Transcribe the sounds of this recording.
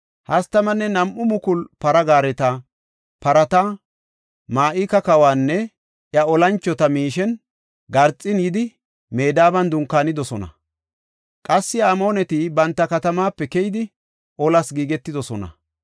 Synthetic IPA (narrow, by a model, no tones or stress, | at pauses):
hɐst̪ɐmɐnːɛnɐmʔʊmʊkʊlpɐɾɐɡaːɾɛt̪ɐ | pɐɾɐt̪a | maːʔɪkɐkɐwaːnːɛ | ʔjɐɔlɐnt͡ʃːɔt̪ɐmiːʃɛn | ɡɐɾt͡sʼːɪnjɪd̪ɪ | me̞ːd̪aːbɐnd̪ʊŋkːaːnɪd̪ɔsɔnɐ̰ | kʼɐsːɪaːmo̞ːnɛt̪ibɐnt̪ːɐkɐt̪ɐmaːpːɛkɛjɪd̪ɪ | ʔɔlɐsɡiːɡɛt̪ːɪd̪ɔsɔnɐ̰